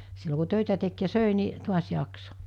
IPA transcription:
silːo ku tøˑitæ tek jɑ søˑi ni tuɑs jɑkso̥

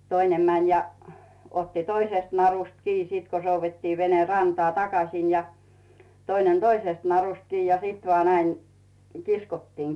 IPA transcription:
toinem mænʲ jɑ otːi toiseˑst nɑrust kiː sit ko souʋːetːiː ʋene rɑntŏɑˑ tɑkɑsˑin jɑ toinen toisest nɑrust kiː jɑ sit ʋɑː næiŋ kiskotːiːŋ

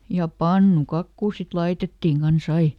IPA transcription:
jɑ pɑnːukɑkːuː sit lɑitetːiŋ kɑns ɑi

